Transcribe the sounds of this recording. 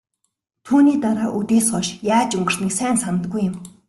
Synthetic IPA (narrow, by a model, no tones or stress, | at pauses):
t̪ʰuːniːt̪aɾaːʔut̪eːsɢɔʃjaːt͡ɕɵŋɡə̆r̥nĭksæːnsanə̆t̪̚ɡujːɪm